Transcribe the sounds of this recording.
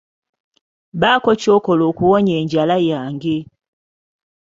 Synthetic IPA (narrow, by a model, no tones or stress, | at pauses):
βaːkocoːkoloːkuwoɲeːɲɟalajaːŋɡe